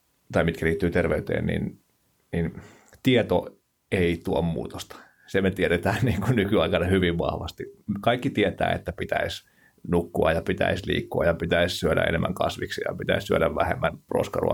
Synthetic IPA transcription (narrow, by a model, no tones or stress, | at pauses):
t̪ɑimit̪kæliːt̪ːyːt̪erʋeyt̪ḛːnnḭn | nin | t̪iɛt̪o̰ | eit̪uommṵːt̪o̥st̪ɑ̥ | semet̪iɛɾet̪æːnniːŋkunykyɑikɑnɑhyʋiʋʋɑ̰hʋɑst̪ikɑikːit̪iɛt̪æ̰ːḛt̪ːæpit̪æis | nukːuɑjjɑpit̪æ̰islḭːkːuɑjɑpit̪æissyæɾæ̰ḛnemːæŋkɑ̰sʋiksijɑ̰pit̪æissyæɾæʋʋæhemːænpro̰skɑrṵɑ̰